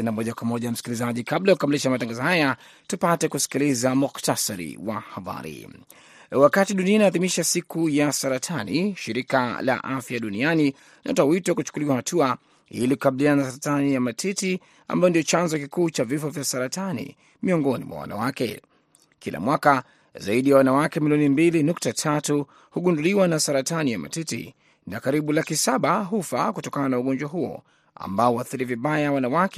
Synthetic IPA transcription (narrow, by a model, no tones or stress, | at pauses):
ɛnamɔʄakwamɔʄam̩si̥kilizaʄikablajukukamiliʃamataŋɡazɔhaja | tupatɛkusi̥kilizamuktasaɾḭwahaba̰ɾḭ | wakatiɗuniainaːðimiʃasikujasaɾatʰanḭʃiɾika̰la̰ʔafjaɗuniani | nʔa̰towitɔkut͡ʃu̥kuliwahatua | hḭliku̥kaɓiliananasaɾatanijamatʰiti | a̰mbajɔndijɔt͡ʃanzɔkikuːt͡ʃavifɔvjasaɾatanḭ | miɔŋɡɔnḭmwa̰wa̰na̰wakɛ̰ | kilʔa̰mwaka | za̰iɗijawanawakɛmilijɔnimbilinuk̚tatʰatu | huɠunduliwanasaɾatanijama̰titḭ | nakaɾiɓulakisaɓaɦufa̰kutɔkananauɠɔnd͡ʒwaɦuɔ̰ | a̰mbaɔaθiɾiviɓajawanawakɛ